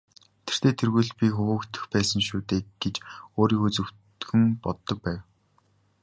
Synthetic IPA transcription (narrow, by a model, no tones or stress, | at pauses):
t̪ʰe̥r̥t̪ʰeːt̪ʰerɣujɮpʲixɵwɵ̆kt̪ʰɘ̥̆xpæːsə̆ŋʃuːt̪eːɡ̥et͡ɕoːɾiːxut͡sɘ̆w̥ | xɘ̆mpɔt̪ːɞ̆k̚pæːw